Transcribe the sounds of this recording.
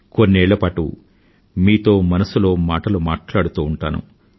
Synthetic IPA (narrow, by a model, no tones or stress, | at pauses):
konːiɛːɭːɐpaːʈṵ | miːt̪o̞ːmɐnɐsulo̞ːmaːʈɐlumaːʈlaːɽut̪uːɳʈa̰ːnṵ